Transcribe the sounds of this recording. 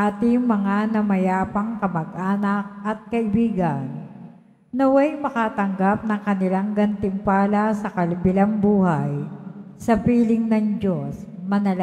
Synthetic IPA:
ʔaːt̪ɪŋmɐŋanɐmɐjaːpɐŋkɐmɐɡʔaːnɐk̚ʔɐt̪̚kɐʔɪbiːɡɐ̰nː | ɐwajmɐkaːt̪ɐŋɡap̚nɐŋkɐnɪlaŋɡɐnt̪ɪmpaːlɐsɐkɐlɪbɪlaŋbuːhajsɐpiːlɪŋnɐŋd͡ʒosmɐnɐla

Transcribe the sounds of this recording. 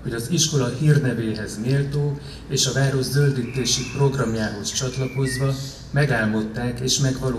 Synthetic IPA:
ho̞ɟɒziʃko̞lɒhiːrnɛveːɦɛzneːlt̪oː | eːʃɒvaːɾo̞ʒzøld̪it̪eːʃipro̞ɡrɒmjaːɦo̞st͡ʃɒt̪lɒko̞zvɒ | mɛɡaːlmo̞t̪ːaːkeːʃmɛɡvɒloː

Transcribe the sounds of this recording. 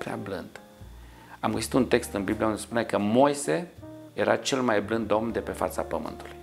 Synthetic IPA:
pɾea̰blɨ̰nd̪̥ | amɡəsi̥t̪unt̪e̞kst̪ɨnbibliaund̪espune̞kəmo̞jse̞jeɾa̰t͡ʃe̞lmajblɨnd̪o̞mnd̪e̞pe̞fa̰t̪sapəmɨ̰nt̪u̥luj

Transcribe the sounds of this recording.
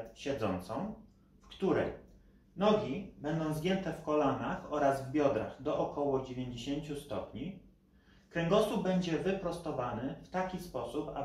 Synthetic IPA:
ɕɛd̪zɔnt̪sɔ̃w̃ | fkt̪uɾɛj | nɔɡʲibɛnd̪ɔ̃w̃zɡʲjɛnt̪ɛfkɔlanaxɔɾazvbʲjɔd̪ɾa̰xd̪ɔʔɔkɔwɔd͡ʑevʲjeɲd͡ʑeɕeɲt͡ɕust̪ɔpɲi | kɾɛŋɡɔsuvbɛɲd͡ʑɛvɘpɾɔst̪ɔvanɘft̪akʲispɔsupa̰

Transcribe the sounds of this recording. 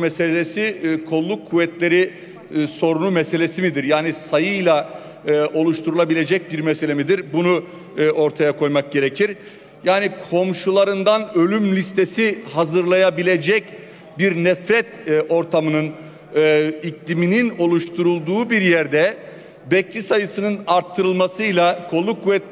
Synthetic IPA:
mɛse̞lʲesikʰo̞lˠːukʰːuvɛt̪lʲe̞ɾi | so̞ɾunumɛse̞lʲe̞simid̪iɾjaːnisajɯjlˠa | ʔo̞lˠuʃt̪ʰuɾulˠabilʲed͡ʒɛc̚biɾmɛse̞lʲemid̪iɾbunu | o̞ɾt̪ʰajakʰo̞jmak̚ɟe̞ɾecʰiɾ | jaːnikʰo̞mʃulˠaɾɯnd̪anølʲymlʲist̪ʰe̞sihazɯɾlˠajabilʲe̞d͡ʒɛc | biɾnɛfɾɛt̪o̞ɾt̪ʰamɯnɯnː | iclʲiminino̞lˠuʃt̪ʰuɾulˠd̪uːbiɾjæɾd̪ɛ | bɛc̚t͡ʃʰisajɯsɯnɯnaɾt̪ʰːɯɾɯlˠmasɯjlˠakʰo̞lˠukvɛt̪̚

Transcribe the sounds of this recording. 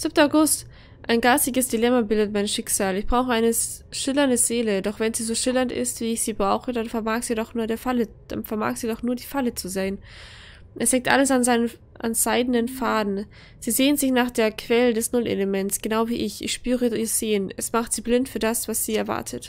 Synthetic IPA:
z̥ɪp̚təaʊɡʊst | ʔaɪnɡaːstɪɡəsd̥ilɛmabɪldətmaɪnʃɪkz̥aːlɪçb̥ʁaʊxəʔaɪnə | ʃɪlɐndəzeːlədɔχv̥ɛnziːzoːʃɪlɐntɪ̰stv̥iːɪçz̥iːbʁaʊxəd̥anfɛɐmaːkz̥iːdɔχnuːɐɾeːɐfaləd̥a̰nfɛɐma̰ːkz̥iːdɔχnuːɐdiːfalət͡suzeːən | ʔɛshɛŋk̚tʔa̰ləsanzaɪnə | ʔa̰nz̥aɪdn̩ənfaːdn̩ | z̥iːzeːənzɪçnaːχd̥eːɐkʰv̥ɛlədɛsnʊlʔḛləmɛntsɡ̥ənaʊviːʔɪçʔɪ̰çʃpyːʁəiːɐz̥eːənɛsmaχtz̥iːblɪntfyːɐdasv̥asz̥iːɛɐva̰ɐtʰət

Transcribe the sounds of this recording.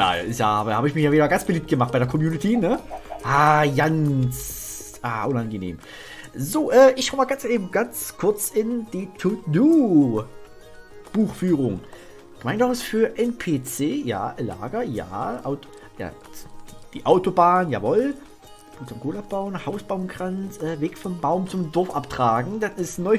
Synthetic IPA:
ja̰ːʔɪsja̰ːaːbɐhaːbəɪçmɪçjaːviːdɐɡant͡sb̥əliːp̚t̚ɡ̥əmaχt̚b̥aɪdeːɐkʰɔmjuːnɪtʰinəʔaːjansʔaːʔʊnanɡənḛːm | zoːʔɛːʔɪçʃaʊmaːlɡant͡seːbm̩ɡ̥ant͡skʰʊɐt͡sɪnd̥iːtʰuduː | b̥uːxfyːʁʊŋ | maɪndaɪsfyːɐʔɛnpʰeːt͡seːja̰ːla̰ːɡɐja̰ːʔaʊt | ja̰̥ː | d̥iːʔaʊtobaːnja̰ːvɔl | b̥uːt͡sɔmɡ̥ʰoːlap̚b̥aʊnhaʊsb̥aʊmɡʁansʔɛːveːkfɔmbaʊmt͡sʊmdɔɐfʔaptʁ̥aːɡŋ̩d̥asɪstnɔʏ

